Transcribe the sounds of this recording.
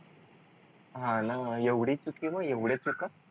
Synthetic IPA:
ɦãnajeʋɽit͡sukkĩʋajeʋɽjet͡suka

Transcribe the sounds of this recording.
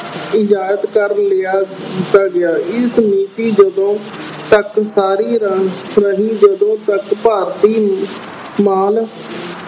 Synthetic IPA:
ɪd͡ʒaːət̪kəɾlɪaːd̪ɪt̪ːaːɡɪjaːʔɪsmiːt̪iːd͡ʒəd̪õː | t̪əksaːɾiːɾɾəɦiːd͡ʒəd̪õːt̪əkpaːɾt̪iː | maːl

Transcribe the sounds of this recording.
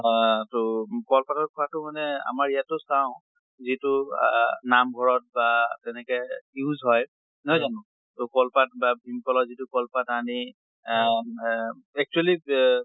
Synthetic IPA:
tɔkɔlpatɔt̚kʰɔwatʊmanɛa̰maɹijatːʊsaʊ̃ | zitʊ | namɡʱɔɹɔt̚batɛnɛkɛjuzɦɔj | nɔjzanʊ̃ | tʊkɔlpat̚babʱimkɔlɔzitʊkɔlpatani | ɛk̚t͡ʃuali

